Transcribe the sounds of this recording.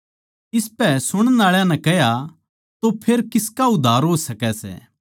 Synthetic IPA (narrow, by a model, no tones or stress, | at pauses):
ɪspɛsʊɽ̃ənaːɭjãnɛ̃kɛɦja | t̪opʰeːɾkɪskaʊd̪ʱːaːɾɦoːsɐkɛsɛ̰ː